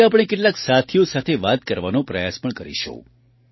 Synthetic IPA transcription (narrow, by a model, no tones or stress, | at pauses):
ap̬ɳ̃ekeʈlaksat̪ʰijosat̪ʰeʋat̪̚kəɾʋanõpɾəjaspəɳkəɾḭʃõ̰